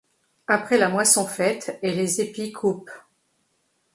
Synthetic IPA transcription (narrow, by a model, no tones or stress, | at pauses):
apχɛlamwasɔ̃fɛt̪elezepikʰup